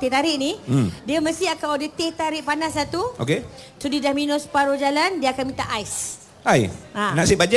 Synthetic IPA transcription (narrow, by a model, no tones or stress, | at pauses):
t̪et̪aɾɪʔnĩdiəməst̪iakaadət̪et̪aɾɪʔpanasːat̪uʔo̰kesudidahminʊspaɾod͡ʒalandiəakanmĩt̪aʔajs | ajãnaʔsibad͡ʒa